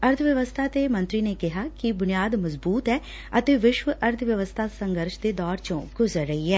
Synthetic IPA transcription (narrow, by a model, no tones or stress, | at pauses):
əɾt̪ʰʋjəʋəst̪ʰaːt̪eːmə̃nt̪ɾiːneːkɪɦaːkɪbʊnɪjaːd̪məzbuːt̪ɛː | ət̪eːʋɪʃʋəʔəɾt̪ʰʋjəʋəst̪ʰaːsəŋɡəɾʃd̪eːd̪ɔːɾt͡ʃõːɡʊzəɾːəiːɛː